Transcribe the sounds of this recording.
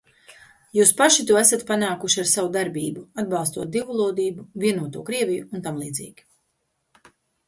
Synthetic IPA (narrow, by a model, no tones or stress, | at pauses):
juːspaʃit̪uɔæsat̪panaːkuʃiaɾsavud̪aɾbiːbuad̪̚bɑlˠst̪uɔt̪̚d̪ivulˠuːd̪iːbuviɛnuɔt̪ṵːkɾiɛvijuunt̪amlˠiːd̪zḭːɡʲi̥